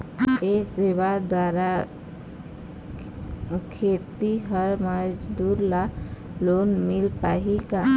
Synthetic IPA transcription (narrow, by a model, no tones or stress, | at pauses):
esewad̪waːɾa | kʰeːt̪iɦəɾməd͡ʒd̪uːɾlaloːnmɪlpaːɦika